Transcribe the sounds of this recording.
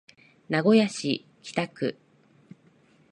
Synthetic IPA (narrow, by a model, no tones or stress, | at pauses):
naɡo̞jaɕḭ | kʲi̥t̪akɯ̟̰